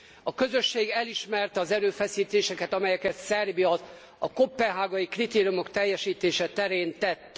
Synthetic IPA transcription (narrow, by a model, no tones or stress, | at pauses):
ɒkøzø̞ʃːeːɡɛliʃmɛrt̪ɛɒzɛɾøːfɛsiːt̪eːʃɛkɛt̪ɒmɛjɛkɛt̪sɛrbiɒ | ɒko̞pːɛɦaːɡɒjikrit̪eːɾijumo̞kt̪ɛjːɛʃiːt̪eːʃɛt̪ɛɾeːnt̪ɛt̪ː